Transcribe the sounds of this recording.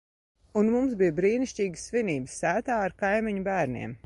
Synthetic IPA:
unmumsbijbɾiːniʃt͡ʃʲiːɡəsːviniːbəsːæːt̪aːaɾkajmiɲubæːɾnḭɛm

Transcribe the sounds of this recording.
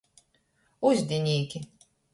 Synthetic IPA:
uzʲd̪ʲinʲiːkʲi

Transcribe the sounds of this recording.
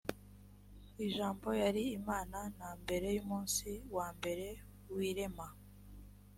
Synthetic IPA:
iʒaːmbo̞jaɾiːmaːnanaːmbe̞ɾe̞jumuːnsiwaːmbe̞ɾe̞ | wiːɾe̞ma

